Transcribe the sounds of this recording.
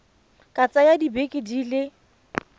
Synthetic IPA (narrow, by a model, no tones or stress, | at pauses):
kʼat͡sʼajadibekʼɪdilɪ